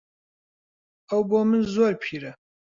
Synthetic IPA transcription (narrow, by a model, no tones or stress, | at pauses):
awbomɨnzoɾpʰiɾɐ